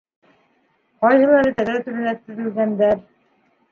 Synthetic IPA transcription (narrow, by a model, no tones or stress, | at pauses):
qɑjɦɤ̆lˠɑɾɤt̪æðæt̪ʉɾɘ̆næt̪ːɘ̆ɾɘ̆lɡænd̪æɾ